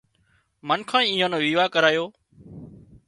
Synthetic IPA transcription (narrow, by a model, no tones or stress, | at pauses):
mənkʰãːĩːiːɦãːnõːʋiːʋaːkəɾaːjoː